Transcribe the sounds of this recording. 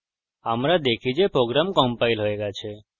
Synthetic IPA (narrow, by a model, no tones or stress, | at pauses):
amɾad̪ekʰid͡ʒepɾoɡɾamkɔ̃mpailɦoeɡat͡ʃʰe